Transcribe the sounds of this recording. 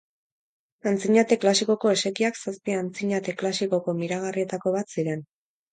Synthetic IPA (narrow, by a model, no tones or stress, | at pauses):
ant͡siɲat̪e̞klasiko̞ko̞e̞se̞kiaksaspiant͡siɲat̪e̞klasiko̞ko̞miɾaɣ̞arie̞t̪ako̞β̞at̪siɾe̞n